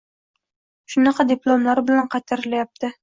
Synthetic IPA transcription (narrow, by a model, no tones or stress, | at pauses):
ʃʊnɑqɑd̪ɪplˠomlˠaɾbɪlænqʰɑt̪ʰaɾlæjap̚t̪ɪ